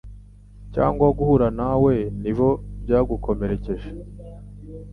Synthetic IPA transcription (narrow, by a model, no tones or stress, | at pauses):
ca̰ːŋɡwaɡuhuɾanawe̞nivo̞bjaːɡukʰo̞meɾe̞ceʒe